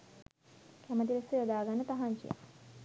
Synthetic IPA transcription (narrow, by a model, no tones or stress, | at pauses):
kæmət̪iɾesəjod̪aːɡanːət̪aɦaɲt͡ʃḭja̰